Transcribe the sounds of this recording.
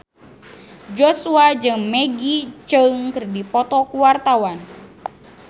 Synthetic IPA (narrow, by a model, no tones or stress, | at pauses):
d͡ʒɔsuad͡ʒɨŋmɛɡit͡ʃəŋkɨrdipɔt̪ɔkuwart̪awan